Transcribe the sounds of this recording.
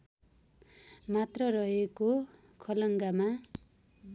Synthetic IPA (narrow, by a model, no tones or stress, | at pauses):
mat̪rʌɾʌɦeko | kʰʌlʌŋɡama